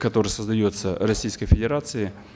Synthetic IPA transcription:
kɐt̪o̞ɾəjəsəzd̪ɐjot̪sərɐsʲijskəjfʲɪdʲɪɾat̪sɨɪ

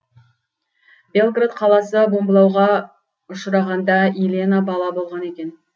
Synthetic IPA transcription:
be̞lˠɡrat̪qʰɑlˠɑsəbo̞mbəlˠɑwʁɑ | ʊʃəɾɑʁɑnd̪ɑilʲenabɑlˠɑbo̞lˠʁɑne̞kʲe̞n

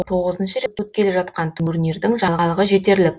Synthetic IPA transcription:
t̪ʰo̞ʁəzənʃəɾeut̪̚kʲʰe̞leʒɑt̪qɑnt̪ʰʏmɵɾne̞ɾd̪ɪŋʒɑlˠʁɑlˠəʁəʒe̞t̪e̞ɾlɪk̚

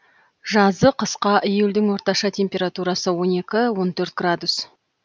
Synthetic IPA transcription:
ʒɑzəqʰəsqɑʔijeld̪ɪŋwo̞ɾt̪ɑʃɑt̪ʲʰe̞mpʲe̞ɾat̪uɾɑsəwo̞ne̞kʲɪwo̞nt̪ʰɵɾt̪ɡ̥rad̪us

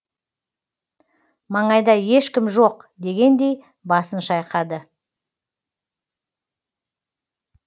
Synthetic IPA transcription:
mɑɴɑjd̪ɑje̞ʃkʲɪmʒo̞qd̪e̞ɡʲe̞nd̪e̞j | bɑsənʃɑjqɑd̪ə

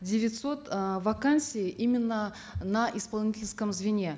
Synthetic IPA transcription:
dʲɪvʲɪt̪so̞t̪vɐkansʲijɪʔimʲɪnːə | naʔɪspɐlˠnʲitʲɪlʲskəmzvʲɪnʲe̞

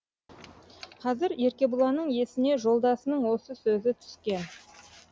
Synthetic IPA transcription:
qʰɑzɪɾe̞ɾkʲe̞bʊlˠɑnəɴje̞sɪne̞ʒo̞lˠd̪ɑsənəɴwo̞səsɵzɪt̪ʰʏ̥skʲe̞n

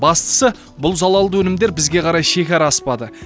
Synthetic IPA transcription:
bɑst̪ə̥sə | bʊlˠzɑlˠɑlˠd̪əwɵnɪmd̪e̞ɾbɪzɡʲe̞qʰɑɾɑjʃe̞kʲɑɾɑːspɑd̪ə

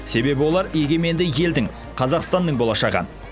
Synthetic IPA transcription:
se̞be̞bɪwo̞lˠɑɾje̞ɡʲe̞me̞nd̪ɪje̞ld̪ɪŋ | qʰɑzɑqst̪ɑnd̪əɴbo̞lˠɑʃɑʁə̰

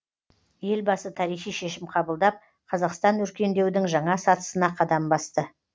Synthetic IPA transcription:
je̞lbɑsət̪ʰɑɾijχijʃe̞ʃɪmqʰɑbəlˠd̪ɑp̚ | qʰɑzɑqst̪ɑnwɵɾkʲe̞nd̪e̞wd̪ɪŋʒɑɴɑsɑt̪ə̥sənɑqʰɑd̪ɑmbɑst̪ə

